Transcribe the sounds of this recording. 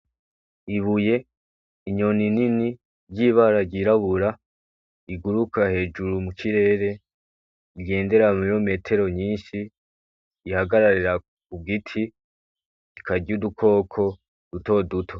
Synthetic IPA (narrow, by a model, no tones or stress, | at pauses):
iβuje̞ | iɲo̞ninini | ɾɟiːβaɾaɾɟiɾaβuɾa | iɡuɾukʰahe̞ːd͡ʒuɾumukiɾe̞ːɾe̞ | iɡe̞ːnde̞ɾamijome̞ːtʰe̞ɾo̞ɲiːnʃiː | haɡaɾaɾiɾa | k̚ub̚ɡitʰi | ikaɟɟudukʰo̞ːkʰo̞ | d̥uto̞dutʰo̞